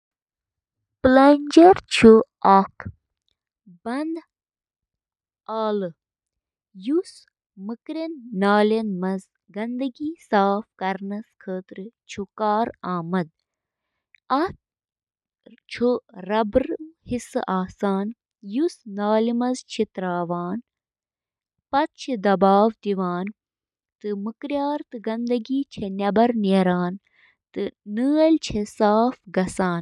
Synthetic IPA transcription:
plɐnʲd͡ʒɐɾt͡ʃʰu | ɐkʰ | bɐnd̪ | aːlɨ | jus | mɨkɾɐnːaːlɐnmɐz | ɡɐnd̪ɐɡiːsaːfkɐɾnɐskʰəːt̪ɾɨt͡ʃʰukaːɾaːmɐd̪̚ | ɐt̪̚ | t͡ʃʰuɾɐbɾhisʔaːsaːn | jusnaːlimɐzt͡ʃʰit̪ɾaːʋaːn | pɐt̪̚t͡ʃʰid̪ɐbaːʋt̪iʋaːn | t̪ɨmɨkɾjaːɾt̪ɨɡɐnd̪ɐɡiːt͡ʃʰenʲɐbɐɾnɐɾaːn | t̪ɨnɨːɐlt͡ʃʰesaːfɡɐsaːn

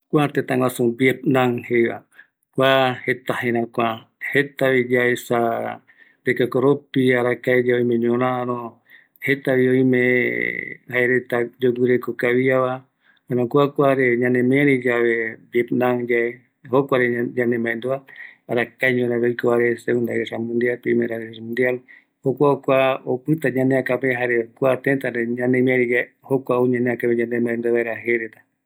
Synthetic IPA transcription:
kʷat̪et̪ãŋwãsũbjet̪̚nãŋhejβa̰ | kʷahet̪ahẽɾ̃ãkʷãhet̪aβid͡ʒaesa | d̪ekakoɾopiaɾakaed͡ʒaoj̃mẽɲõɾãaɾõ | het̪aβiõjmẽ | haeɾet̪ad͡ʒoɡɨɾekokaβiaβa | ãɾõkʷakʷaɾeɲãnẽmẽɾid͡ʒaβebjet̪nãŋd͡ʒae | hokʷaɾeɲãnẽmbãẽnd̪oaaɾakajɲõɾeɾojkoaɾeseũnd̪a̰ɾesamũnd̪ialpeĩmeɾaɾesmũnd̪ial | hokʷaokʷaopɨt̪aɲãneakapẽɦaɾekʷat̪ent̪aɾeɲãnemẽɾid͡ʒa | hokʷaoɲãneakapeɲãnd̪ẽmbãẽnd̪oeβaeɾaɦeɾet̪ḁ

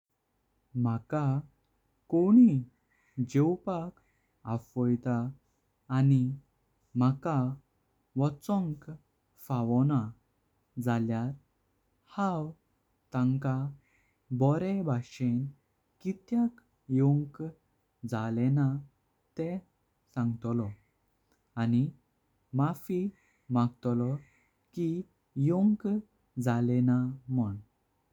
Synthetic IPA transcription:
m̤aka | koɽ̃i | d͡ʑewpak | afɔjt̪aː | ni | m̤aka | ʋɔt͡sɔ̃ŋk | faʋɔna | d͡zaljaɾ | haw | t̪ãŋka | bɔɾɛbʱaɕen | kit̪jãk | jɔŋk | d͡zalɛna | t̪ɛ | sãŋɡt̪lɔ | ani | mafi | mãɡt̪lɔ | ki | jɔŋk | d͡zalɛnaməɳ

